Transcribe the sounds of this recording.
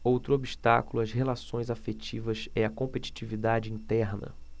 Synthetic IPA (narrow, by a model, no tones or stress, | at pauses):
owt̪ɾʊobiʃt̪a̰kulʊɐzhelasõj̃zafet͡ʃivɐsɛɐkõpet͡ʃi̥t͡ʃivid̪ad͡ʒɪĩnt̪ɛɾnɐ̰